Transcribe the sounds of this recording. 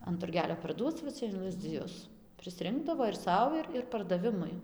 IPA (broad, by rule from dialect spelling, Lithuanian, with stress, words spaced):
ɐn tʊrʲˈɡʲæːlʲoː pɐrˈduɔt͡s ʋɐ ˈt͡sʲɛ ɪn lˠɐzʲd͡zʲɪˈjʊs pʲrʲɪsʲˈrʲɪŋɡdɐʋoː ɪr ˈsɐʊ ɪr ɪr pɐrdɐˈʋʲɪmʊɪ